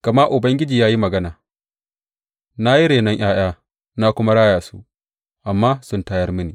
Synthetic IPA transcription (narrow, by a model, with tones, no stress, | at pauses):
kɐ˨ma˦ʔʊ˨bɐ˦ŋɡʲɪ˦d͡ʒiː˨jaː˦ji˦mɐ˨ɡɐ˦naː˨ | na˦ji˦ɽeː˨nɐ˦ŋʔaː˦j̰aː˦ | na˦kʷʊ˦ma˦ɽaː˦jaː˨sṵ˦ | ʔa˨mːaː˦sʊ˦ntaː˦jɐ˦rmʊ˦niː˨